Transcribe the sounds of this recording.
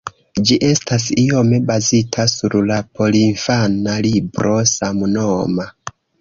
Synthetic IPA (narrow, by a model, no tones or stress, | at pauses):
d͡ʒiʔe̞stasio̞me̞bazitʰasuɾlapo̞liɱfanalibɾo̞samunoma